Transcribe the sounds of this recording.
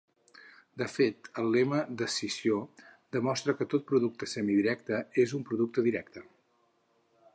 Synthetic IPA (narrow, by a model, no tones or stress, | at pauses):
d̪əfet̪əlˠːɛməd̪əsizio | d̪əmɔst̪ɾəkət̪ot̪̚pɾuðuk̚t̪əsɛmiðiɾɛk̚t̪əezumpɾuðuk̚t̪əðiɾɛk̚t̪ə